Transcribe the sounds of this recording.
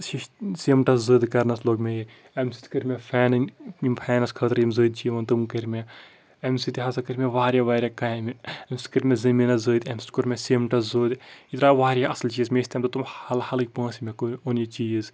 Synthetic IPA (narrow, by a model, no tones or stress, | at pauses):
ʃiʃsimʈɐszɨːd̪kɐɾnɐsloːɡmeji | ɐmsi̥t̪ʲkɨɾʲmepʰɛːnnimpʰɛːnɐskʰɐt̪ɾimzəːd̪̚t͡ʃiːʋɐːnt̪umkɐɾʲme | ɐmsit̪iɦɐsakɨɾʲmeʋaːɾjaʋaːɾʲjakaːmɐmsʲi̥t̪ʰʲkəɾʲmʲezɐminɐzəːd̪ʲɐmsi̥t̪ʰʲkuɾʲmʲesiːmʈɐszəːd̪it̪ɾaːʋaːɾʲjaʔɐslt͡ʃiːzmeːsʲt̪ʰeːmt̪ɐt̪umɐlhɐlɨk̚ʲpãːsimekoonit͡ʃiːz